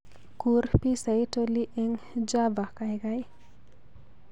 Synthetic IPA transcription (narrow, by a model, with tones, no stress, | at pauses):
ku˨rpi˦sa˨jto˧li˦ʔe˦ŋ | d͡ʒa˦ba˨ka˧jɡa˦j